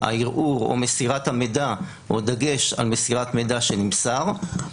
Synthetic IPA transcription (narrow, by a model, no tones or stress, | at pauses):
a̰iʁʔuʁo̰mesiʁat̪hamed̪a | od̪aɡe̞ʃa̰lmesiʁat̪med̪aʃenimsaʁ